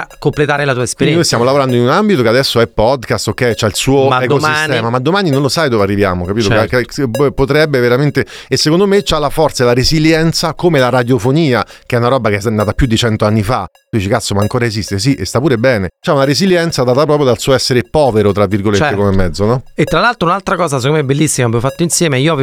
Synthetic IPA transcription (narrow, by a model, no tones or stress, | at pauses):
komplet̪aːɾelat̪uːaespeinj̪inojst̪jamolavoɾand̪oinunambit̪okead̪ɛsːoɛpːɔd̪kast̪okːɛjt͡ʃailsuːoekost̪ɛːmamad̪ːomaːninõnlosajd̪oːvearːivjaːmokapiːt̪okpot̪ɾɛbːeveɾament̪eesːekond̪omet͡ʃalafɔrt̪salaɾeziljɛnt̪sakomelaɾad̪jofoniːak̟eɛunaɾɔbːakeɛsnːaːt̪apjud̪ːit͡ʃɛnt̪oanːifaud̪iːt͡ʃikat̪sːomaːŋkoːɾaezist̪es̬iʔḛst̪apuːɾebɛːnet͡ʃaunaɾeziljɛnt̪sad̪aːt̪apɾɔpɾjod̪alsuːoɛsːeɾepɔːveɾot̪ɾavːirɡolteeekomemːɛd̪zːonɔet̪ːɾalalt̪ɾounalt̪ɾakɔːzas̬ekomːɛbelːisːimavɛvofat̪ːoinsjɛːmeiːoav